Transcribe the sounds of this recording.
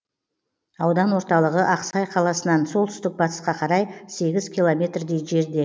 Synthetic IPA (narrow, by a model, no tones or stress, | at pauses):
ɑwd̪ɑnwo̞ɾt̪ɑlˠəʁəʔɑqsɑjqʰɑlˠɑsənɑnso̞lˠt̪ʰʏ̥st̪ɪk̚bɑt̪ə̥sqɑqʰɑɾɑjse̞ɡʲɪzkʲʰilˠo̞mʲe̞t̪rd̪e̞jʒe̞ɾd̪e̞